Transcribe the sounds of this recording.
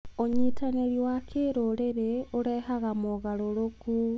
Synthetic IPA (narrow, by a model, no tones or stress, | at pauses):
oɲitaneɾiwakʰeːɾoɾeɾeoɾɛhaɣamoɣaɾoɾoku